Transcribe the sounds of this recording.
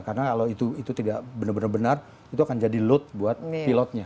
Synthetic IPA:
kaənakalowit̪uit̪ut̪idaʔbənabənarbənar | it̪uakand͡ʒadilʊt̪̚buat̪̚pilɔt̪̚ɲa

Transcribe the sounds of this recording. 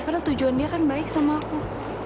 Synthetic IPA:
padalt̪ud͡ʒuandiakanbaɪk̚samaːku

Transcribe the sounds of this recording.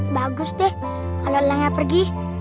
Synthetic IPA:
baɡʊst̪ɛh | kalolaŋapərɡi

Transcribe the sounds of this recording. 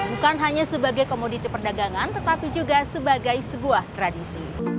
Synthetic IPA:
bukanɦaɲasəbaɡajkomodit̪ipərdaɡaŋant̪ət̪apid͡ʒuɡasəbaɡajsəbuaht̪ɾadisi

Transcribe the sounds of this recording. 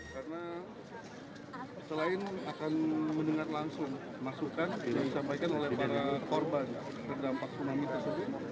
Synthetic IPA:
karəna | səlaɪnakanməndəŋarlaŋsʊŋ | masukanjaŋdisampajkanolɛhpaɾakorban | t̪ərdampak̚sunamɪt̪ərsəbʊt̪

